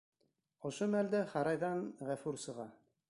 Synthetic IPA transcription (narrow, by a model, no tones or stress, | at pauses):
ŏʃomæld̪æχɑɾɑjðɑnʁæfʉɾsɤ̆ʁɑ